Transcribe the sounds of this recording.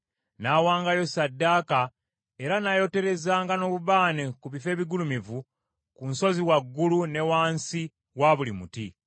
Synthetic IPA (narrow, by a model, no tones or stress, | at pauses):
naːwaːŋɡajo̞sadːaːka | e̞ɾanajo̞te̞ɾe̞zaːŋɡano̞ːβuβaːnekuβife̞ːβiɡulumivu | kunso̞ziwaɡːulune̞waːnsi | waβulimuti